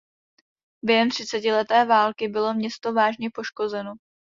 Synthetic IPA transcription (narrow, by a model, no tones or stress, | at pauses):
bjɛɦɛmt̪r̝̥ɪt͡sɛcɪlɛt̪ɛːvaːlkɪbɪlo̞mɲɛst̪o̞vaːʒɲɛpo̞ʃko̞zɛno̞